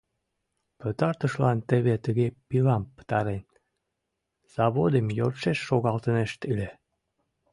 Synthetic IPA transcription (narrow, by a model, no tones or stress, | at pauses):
pət̪ɑrt̪əʃlɑnt̪eβet̪əɣepilɑmpə̥t̪ɑɾen | z̥ɑβod̪emjorʃeʃːoɣɑlt̪əneʃt̪ile